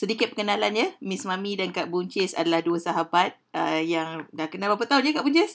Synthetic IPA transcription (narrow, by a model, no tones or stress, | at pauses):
sədikɪt̪̚pəkənalanɲəmismãmidankaʔbuɲt͡ʃɪsa̰dalahduəsaɦabat̪̚əjaŋdahkənabapat̪aunɲakaʔbuɲt͡ʃɪs